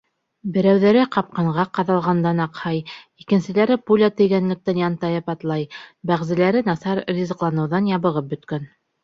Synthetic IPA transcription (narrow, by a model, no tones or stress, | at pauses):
bɘ̆ɾæwðæɾɘqɑp̚qɑɴʁɑqɑðɑlˠʁɑnd̪ɑnɑqhɑj | ikɘ̆nsɘ̆læɾɘpulʲat̪ɵ̆jɡænlɘ̆k̚t̪ɘnjɑnt̪ɑjɤpɑt̪lˠɑjbæʁzɘ̆læɾɘnɑθɑɾrʲizɘ̆qlˠɑnɤ̆wðɑnjɑβɤ̆ʁɤp̚bɵ̆t̪kæn